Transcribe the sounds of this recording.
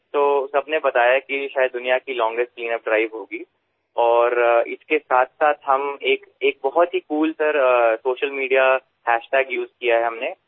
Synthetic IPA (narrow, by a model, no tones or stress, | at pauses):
t̪oːsɐbnebɐt̪aːjakiʃaːjəd̪ːʊnijakilɔ̃ːŋɡɾesʈ̚kliːnəp̚ɖɾaːɪʋɦoːɡi | ɔːɾɪ̰skesaːt̪ʰsaːt̪ʰɦɐmeːkeːk̚bɐɦɔt̪ɦikuːlsɐɾsoːʃəlmiːɖija | hɛːʃʈɛːɡjuːzkijaɦɛɦɐmne